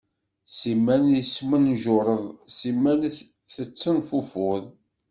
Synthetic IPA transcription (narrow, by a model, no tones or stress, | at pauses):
simːænjəsmənʒʊɾˤəðˤsimːæn | θət͡sːənfufʊðˤ